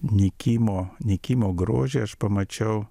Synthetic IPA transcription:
nʲɪkʲiːmoːnʲɪkʲiːmoːɡɾo̰ːʒʲeɐʃpɐmɐt͡ʃʲɛʊ

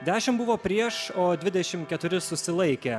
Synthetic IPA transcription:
d̪ʲæːʃʲɪmbʊʋoːpʲɾʲiɛʃoːd̪ʲʋʲɪd̪ʲɛʃʲɪmkʲɛt̪ʊɾʲɪsʊsʲɪlˠɐɪkʲeː

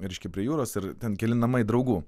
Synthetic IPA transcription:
ɾʲɛɪʃʲkʲɛpʲɾʲiɛjuːɾoːsɪɾt̪ʲɛnkʲɛlʲɪnɐmɐɪd̪ɾɐʊɡuː

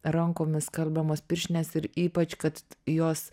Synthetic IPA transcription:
ɾɐŋkoːmʲɪskɐlʲbʲɛmoːspʲɪɾʲʃʲnʲeːsɪɾiːpɐt͡ʃkɐt̪joːs

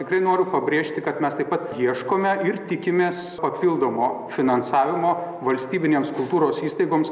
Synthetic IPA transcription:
t̪ʲɪkɾɐɪnoːɾʲʊpɐbʲɾʲeːʃʲt̪ʲɪkɐt̪mʲɛst̪ɐɪpːɐt̪jiɛʃkoːmʲɛɪrt̪ʲɪkʲɪmʲeːs | pɐpʲilˠd̪oːmoːfʲɪnɐnsɑːʋʲɪmoː | ʋɐlʲsʲt̪ʲiːbʲɪnʲeːmskʊlˠt̪uːɾoːsiːst̪ɐɪɡoːms

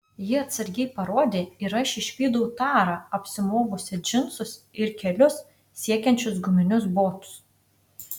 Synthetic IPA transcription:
jɪɐt̪sɐɾʲɡʲɛɪpɐɾoɔd̪ʲeːiɾɐɪʃʲɪʃʲʋʲiːd̪ɐʊt̪ɑːɾɑːɐpʲsʲɪmoːɡʊsʲɪd͡ʒʲɪnt̪sʊsɪɾkʲɛlʲʊs | sʲiɛkʲɛnʲt͡ʃʲʊsɡʊmʲɪnʲʊsboːt̪ʊ̥s

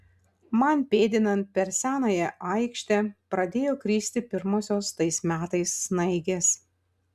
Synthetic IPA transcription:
mɐnpʲeːd̪ʲɪnɐnt̪̚pʲɛɾsʲæːnɐːjɛʔɐɪkʃʲt̪ʲɛpɾɐd̪ʲeːjoːkɾʲiːsʲt̪ʲɪpʲɪɾmoːsʲoːst̪ɐɪsmʲæːt̪ɐɪsːnɐɪɡʲes

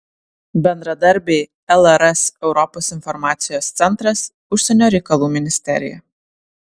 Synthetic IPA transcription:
bʲɛnd̪ɾɐd̪ɐɾʲˑbʲeɪ | ɛlˠɛɾɛsɛʊɾɔpoːsɪnfɔɾmɑːt̪sʲɪjoːst̪sʲɛnt̪ɾɐs | ʊʃʲsʲɛnʲoːɾʲɛɪkɐlˠuːmʲɪnʲɪsʲt̪ʲɛ̰ɾʲɪ̰jɛ̰

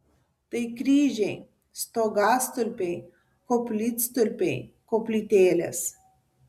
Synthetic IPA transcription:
t̪əjkɾʲiːʒʲej | st̪oɡast̪ɨlʲpʲej | koplʲit̪st̪ɨlʲpʲejkoplʲit̪ʲeːlʲḛs

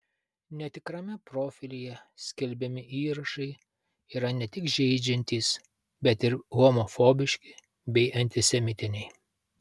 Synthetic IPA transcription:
nʲɛt̪ʲɪkɾɐmʲɛpɾoːfʲɪlʲɪjɛsʲkʲɪlʲbʲɛmʲɪʔiːɾɐʃɐɪ | iːɾɐnʲɛt̪ʲɪkʒʲɛɪd͡ʒʲɛnʲt̪ʲiːs | bʲɛt̪ɪɾɣɔmɔfoːbʲɪʃʲkʲɪ | bʲɛɪʔɐnʲt̪ʲɪsʲɛmʲɪt̪ʲɪnʲɛɪ

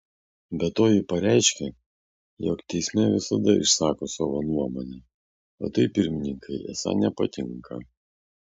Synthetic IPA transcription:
bʲɛt̪ːoːjɪpɐɾʲæɪʃʲkʲɛ | joːkt̪ʲɛɪsʲmʲɛʋʲɪsɐd̪ɐɪ̰ʃsɑːkoːsɑːʋoːnuɔmoːnʲe | o̰ːt̪ɐɪpʲɪɾʲmʲɪnʲɪŋkʰɐɪʔɛ̰sɑ̰nʲɛpɐt̪ʲɪŋkʰɐ

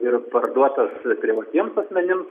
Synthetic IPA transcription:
ɪrpɐrd̪uɔt̪ɐspʲɾʲɪʋɐt̪ʲiɛmsɐsʲmʲɛnʲɪms

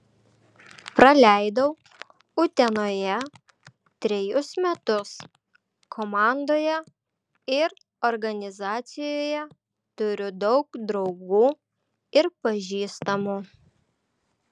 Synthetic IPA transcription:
pɾɐlʲæˑɪd̪ɐʊ | ʊt̪ʲɛnoːjɛ | t̪ʲɾʲɛjʊsmʲɛt̪ʊs | kʰoːmɑˑnd̪oːjɛ | ɪɾ | ɔɾɡɐnʲɪzɑːt̪sʲɪjoːjɛ | t̪ʊɾʲʊd̪ɒʊkd̪ɾɒʊɡuː | ɪɾpɐʒʲiːst̪ɐmu

